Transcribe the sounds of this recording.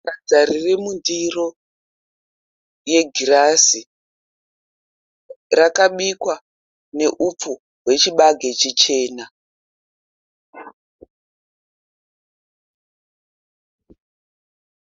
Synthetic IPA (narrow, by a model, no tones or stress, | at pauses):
rad͡zaɾiremundiro̞ | je̞ɡʱirasi | rakaɓikwa | ne̞ʔup͡fu | ɦwe̞t͡ʃiɓaɡʱe̞t͡ʃit͡ʃe̞ːna